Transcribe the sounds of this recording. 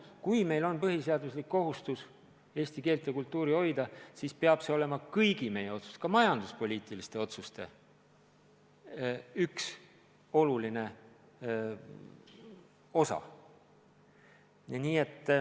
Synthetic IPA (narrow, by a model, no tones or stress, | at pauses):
kujme̞jlo̞npɤɦiseɑd̪uslikːo̞ɦust̪us | e̞ːsʲt̪ike̞ːlt̪jɑkult̪ːuːɾio̞jd̪ɑsiːspeɑb̥se̞o̞le̞mɑkɤjɡ̥ime̞je̞o̞t̪su̥st̪kɑmɑjɑnd̪uspo̞lʲiːt̪ˑilist̪e̞o̞t̪sust̪e̞̰ | yks | o̞luline̞ | o̞sɑ̰ | niːe̞t̪ːˑ